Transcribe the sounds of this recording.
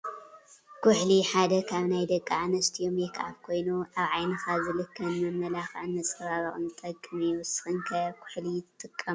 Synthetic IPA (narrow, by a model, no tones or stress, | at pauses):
kʷʰʊħliħad̪ɐkʰaβnajd̪ɐkʼːaʕanɐst̪ʰijomjɛkʰʕaβkʰo̞jnuʔaβʕajnɐxazɨlɨkʰːɐnmɐmːɐlaxʕɨnːɐt͡sʼɐβaβɐxʼɨ̰nɨt̪ʼɐkʼːɨmiuwsɨ̥xɨnkʰɐkʰʊ̥ħlijt̪ʰt̪ʼɨkʼːɐm